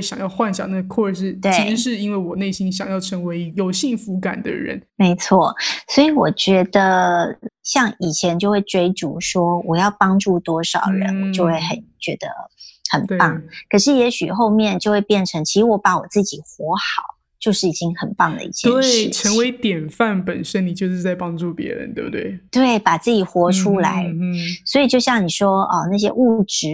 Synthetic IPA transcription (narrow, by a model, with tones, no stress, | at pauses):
ɕjɑ̰˨˩ŋjɑ˥˧ʊxwa˥˩nɕjɑ̰˨˩na˥˩ɡə˧kʰwɔ˥˧ʂɻ̩˥˩t̪we˥˩iɪ˥ʂ̩˧˥ʂɻ̩˥˩i˥nwe˥˩ɪwɔ˨˩ne˥˩ɪɕi˥nɕjɑ˨ŋjɑ˥˩ʊʈ͡ʂʰɤ˧˥ŋwe˧˥ɪjo˨˩ʊɕi˥˩ŋfu˧˥ka̰˨˩nd̪ə̰˦ɻə̰˧˦nme˧˥ɪt͡sʰwɔ̰˥˩swɔ˧˥i˨˥˦wɔ˨˩t͡ɕɥɛ˧˥d̪ə˧ | ɕjɑ˥˩ŋi˨˩t͡ɕʰjɛ˧˥nt͡ɕjo˥˧ʊxwe˥˩ɪʈ͡ʂwe˥ɪʈ͡ʂṵ˧˥ʂwɔ˥wɔ˨˩jɑ˥˩ʊpɑ˥ŋʈ͡ʂu˥˩t̪wɔ˥ʂɑ˨˩ʊɻə̰˧˦wɔ˩t͡ɕjo˥˧ʊxwe˥˩ɪxə˨˩nt͡ɕɥɛ˧˥d̪ə̰˧xə˨˩n˧pɑ˥˩ŋkʰə˨˩ʂ̬ɻ̩˥˩jɛ˧˦˥ɕy̰˨˩xo˥˧ʊmjɛ˥˧nt͡ɕjo˥˧ʊxwe˥˧ɪpjɛ˥˩nʈ͡ʂʰɤ˧˥ŋt͡ɕʰi˧˥ʂɻ̩˧˥wɔ˧˥pa˧˥wɔ˨˩t͡sɹ̩˥˩t͡ɕi˨˩xwɔ˧˥xɑ˨˩˦ʊ | t͡ɕjo˥˧ʊʂɻ̩˥˩i˨˩t͡ɕi˥ŋxə˨˩npɑ˥˩ŋd̪ə̰˩ḭ˥˩t͡ɕʰjɛ˥˧˥ʂɻ̩˥˩ʈ͡ʂʰə˧˥ŋwe˧˥ɪt̪jɛ˨˩nfa˥˩npə˨˩nʂə˦˥nni˨˩t͡ɕjo˥˧ʊʂ̬ɻ̩˥˧t͡sa˥˩ɪpɑ˥ŋʈ͡ʂu˥˩pjɛ̰˧˥ɻə̰˧˦nt̪we˥˩bt̪we˥˩ɪt̪we˥˩ɪpa˨˩t͡sɹ̩˥˩t͡ɕi˨˩xwɔ˧˥ʈ͡ʂʰu˥la̰˧˥˦ɪswɔ˧˥i˨˩t͡ɕjo˥˧ʊɕjɑ˥˩ŋni˨˩ʂwɔ˥ə˧na˥˩ɕ̬jɛ̰˥ʔu˥˩ʈ͡ʂɻ̩˧˥